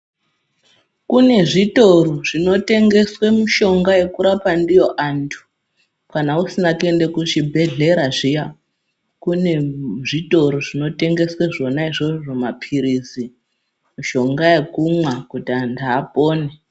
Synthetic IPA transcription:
kune̞ʐitoɾoʐino̞te̞ŋɡe̞swe̞muʃo̞ŋɡaje̞kuɾapandijo̞ʔantʰu̥ | kanausinakue̞nde̞kut͡ʃibʱe̞ɮe̞ɾaʐija | kuneʐito̞ɾoʐino̞te̞ŋɡe̞sweʐo̞naiʐoʐomapʰiɾizi | muʃo̞ŋɡaje̞kumwakutiandaːpoːne

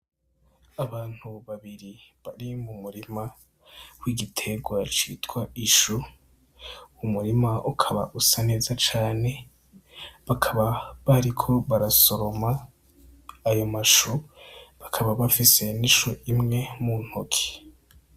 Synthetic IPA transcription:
aβaːn̥huβaβiɾiβaɾimumuɾima | wiɡitʰe̞ɡwat͡ʃḭːtwaiʃu | umuɾimaʔukʰaβa̰ʔusane̞ːzat͡ʃaːne̞ | βakʰaβaβaɾikʰo̞βaɾaso̞ɾo̞ma | ajo̞maʃuβakʰaβaβafise̞niʃoʔimŋe̞mun̥hokʰi̥

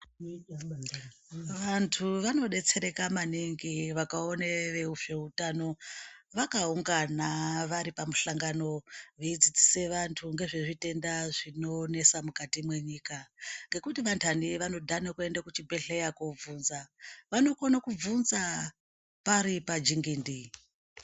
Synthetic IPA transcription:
ʋantʰuʋano̞ɗe̞t͡se̞ɾe̞kamaniŋɡiʋakaoneʋe̞ufeɦutano̞ʋakauŋɡanaʋaɾipamuɬaŋɡano̞ʋeid͡zid͡ziseʋantʰuŋɡe̞ʐe̞ʐite̞ndaʐinone̞samukatimwe̞ɲiːkaŋɡe̞kutiʋantʰaniʋano̞dʱanakue̞ndakut͡ʃibʱe̞ɬejakovuːnzaʋano̞konakub͡vunza | paɾipad͡ʒiŋɡindi

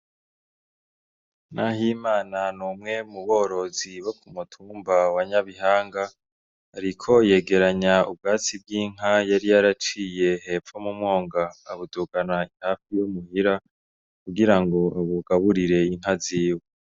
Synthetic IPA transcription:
naɦiːmaːnanumŋe̞muβo̞ːɾo̞ziβokʰumutʰuːmbawaɲaβiɦaːŋɡaː | ɾikʰo̞je̞ːɡe̞ɾaɲaub̚ɡaːt͡sib̚ɡiːŋ̥ɦajaɾijaɾat͡ʃiːje̞he̞ːfomumŋo̞ːŋɡaːβuduːɡanaihaːfijumuhiɾa | kuɡiɾaŋɡo̞βuɡaβuɾiɾe̞iŋ̥ɦaziːwe

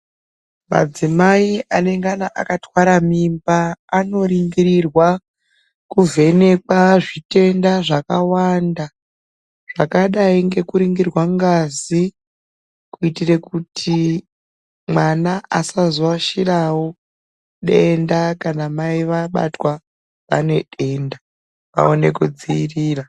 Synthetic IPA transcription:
ma̰d͡zimaiʔane̞ŋɡanaʔa̰katwaɾamimbaːno̞ɾiŋɡiɾirwa | kuvʱe̞ne̞kaʐite̞ndaʐakawanda | ʐ̥akaɗaiŋɡe̞kuɾiŋɡirwaŋɡazi | kuitire̞kutʰi | mwanaasazowaʃirawo | ɗe̞ndakanamaiʋaɓa̰twa | ʋa̰ne̞ɗe̞nda | ʋa̰one̞kud͡ziiriːra

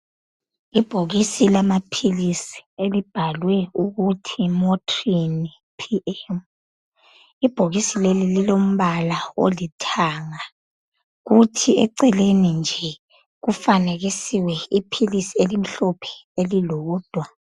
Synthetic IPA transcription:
ib̥ʱoɣisilamapʰilisi̥elib̥ʱalwɛuɣutʰimɔtʰrin | pʰiʔɛm | ib̥ʱoɣisilelililom̩βalao̰litʰaŋa | ɣutʰiɛ̰ǀɛlenind͡ʒʱɛ | ɣufaneɣisiwɛipʰilisielim̩ɬɔpʰɛ̥elilouːd̥ʱwa

